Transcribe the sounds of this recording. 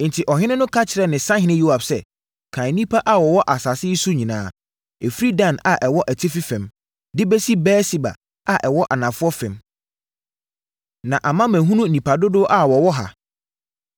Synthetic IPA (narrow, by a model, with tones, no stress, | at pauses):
n̩˨tʰɪ˨ʔɔ˨ɦɪ̃˦nɪ̃˦nʊ̃˦kʰa˦t͡ɕʰɪ˨ɾɛ˦nɪ̃˨sã˦ɦɪ̃˨˦nɪ̃˦ju˦a˨bsɛ˦ | kʰã˨nĩ˦pʰa˦ʔa˦wɔ˨wɔ˦ʔa˨sa˨sɪ˦su˦ɲĩ˨nã̰ː˨˦ | ɛ˨fɾi˦dã˦˨na˨ʔɛ˨wɔ˦ʔæ˨tʰɪ˦fi˦fɛ̃˨m | dɪ˦bɛ˦si˦bɛː˦si˨ba̰˨ | a˨ʔɛ˨wɔ˦ʔa˨nã˨fʊ˦ɔ˦fɛ̃˨m | nã˨ʔa˨mã˦mæ̃˨ɦũ˦nũ˦˨nĩ˨pʰa˨dʊ˦dʊ˦ʔa˦wɔ˨wɔ˦ɦa̰˨